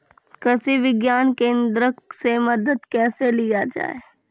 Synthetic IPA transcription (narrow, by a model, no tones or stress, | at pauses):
kɾəsiʋɪɡjaːnkẽːnd̪ɾəksemɐd̪əd̪kɛːselijad͡ʒa̰ːe